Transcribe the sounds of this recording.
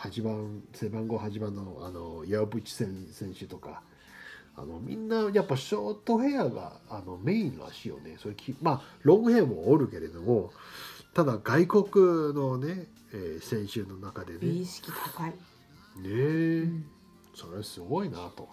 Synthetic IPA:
haʑibãnsebãŋɡo̞haʑibãnːoano̞jaobɯ̟t͡ɕi̥sẽsẽ̞ɰ̃ɕɨt̪o̞ka̰ | a̰no̞mʲḭ̃nːajapːaɕo̞ːt̪o̞ɦe̞jaɡa̰ːno̞me̞ĩna̰ɕijo̰ne̞so̞ɾekʲʰimaɾõ̞ŋɡɯhẽ̞moːɾɯ̟ke̞ɾe̞d̪o̞mo̞t̪ad̪aɡaiko̞kɯ̟no̞ne̞ | eːsẽ̞ɰ̃ɕɨno̞nakad̪e̞neɕi̥kʲit̪ʰakai | ne | so̞ɾesɨɡo̞inat̪o̞

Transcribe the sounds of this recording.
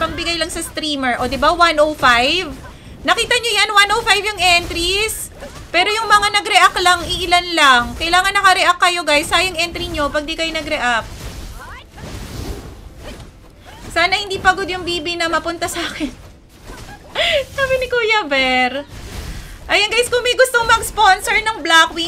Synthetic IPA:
pɐɡ̚bɪɡajlɐŋsɐst̪ɾiːmɛɹʔo̞d̪ɪbawanʔowfajv | nɐkiːt̪ɐɲo̞janwanʔowfajvjʊŋʔɛnt̪ɾis | pɛːɾo̞jʊŋmɐŋanɐɡɾɛʔaklaŋʔɪʔɪlanlaŋkɐjlaːŋɐnːɐkɐɾɛʔakːɐjo̞ɡajsːaːjɐŋʔɛnt̪ɾiɲo̞pɐɡ̚d̪ikɐjonɐɡɾɛʔap̚ | saːnɐhɪnd̪iːpɐɡo̞d̪jʊŋbiːbinɐmɐpʊnt̪ɐsaːkɛn | saːbɪnɪkuːjabɛɾ | ʔɐjɐnɡajskomɐjɡʊst̪oŋmɐɡsponsɛɹnɐŋblakwi

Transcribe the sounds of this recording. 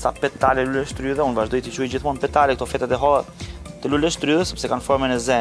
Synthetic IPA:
sapɛt̪alɛlulɛʃt̪ɾyðɛunvaʒd̪ɔjt̪it͡ʃujd͡ʑiθmɔnpɛt̪alɛk̚t̪ɔfɛt̪ɛt̪ɛɦɔt̪ɛlulɛʃt̪ɾyðɛsɛpsɛkanfɔɾmɛnɛzɛ

